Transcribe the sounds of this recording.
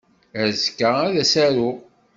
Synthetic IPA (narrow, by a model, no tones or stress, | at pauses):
æzkːaæðæsæɾʊ